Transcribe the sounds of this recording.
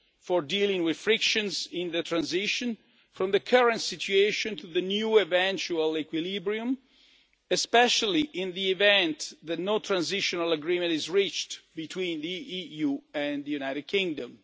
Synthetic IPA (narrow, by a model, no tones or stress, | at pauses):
fɔɹdilĩŋwɪð̥fɹɪkʃə̃nzɪ̃nðətʰɹãnzɪʃɔ̃n | fɹɔ̃mðəkʰaɹə̃ntsitʰueʃɔ̃ntʰuðənjuɪvɛ̃nt͡ʃualɛkwilibɹiũm | ɛspɛʃaliʔɪ̃nðiɪvɛ̃nt̪ðɨnot̪ʰɹãnzɪʃɔnaləɡɹĩmɨ̃ntizɹit͡ʃtbit̪ʰwĩnðiijuɛ̃nðəjunajɾɨd̚kʰĩŋdə̃m